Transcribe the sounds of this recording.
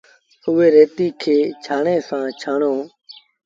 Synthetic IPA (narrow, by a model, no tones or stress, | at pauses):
ʊʋeːɾeːt̪iːkʰeːt͡ʃʰaːɳẽːsãːt͡ʃʰaːɳoː